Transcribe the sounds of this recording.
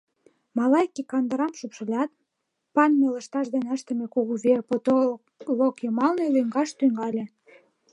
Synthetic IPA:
mɑlɑjkikɑnd̪ə̆ɾɑmʃupʃə̆lʲɑt̪̚ | pɑnmelə̆ʃt̪ɑʃd̪enəʃt̪əmekoɣuβerpot̪o | lokjomɑlnelyŋɡɑʃt̪yŋɡɑlʲe

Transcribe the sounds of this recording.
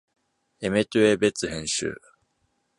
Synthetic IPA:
e̞me̞t̪ɯebe̞t͡sɨhẽ̞ɰ̃ɕɨ̰ː

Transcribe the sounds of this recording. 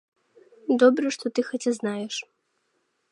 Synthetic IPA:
d̪ɔbɾɐʂt̪ɔt̪ɨxɔt͡sʲɛznajɛʂ

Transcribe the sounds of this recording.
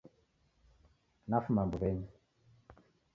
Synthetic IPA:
nafumambuβɛɲi

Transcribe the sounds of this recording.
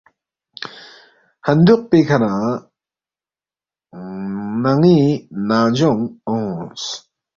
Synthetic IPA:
hand̪uq̚pekʰana | naŋinazɔŋɔŋs

